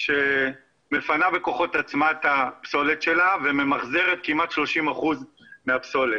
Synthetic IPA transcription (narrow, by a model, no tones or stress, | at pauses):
ʃe̞ | mefanabe̞ko̞χo̞t̪at͡smat̪apso̞let̪ʃe̞laveme̞maχzeʁet̪̚kimat̪ʃlo̞ʃimaχuzmeapso̞let